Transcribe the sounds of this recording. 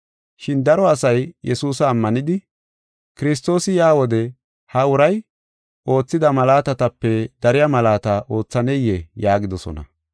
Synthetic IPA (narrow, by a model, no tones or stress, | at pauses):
ʃɪnd̪ɐɾɔɐsɐjjɛsuːsɐːmːɐnɪd̪ɪ | kɪɾɪs̬t̪o̞ːsɪjaːwɔd̪ɛ | hɐʊɾɐj | o̞ːt͡sːɪd̪ɐmɐlaːt̪ɐt̪ɐpːɛd̪̥ɐɾɪjamɐlaːt̪ɐʔo̞ːt͡sːɐnɛjɛjaːɡɪd̪ɔsɔ̰nɐ̰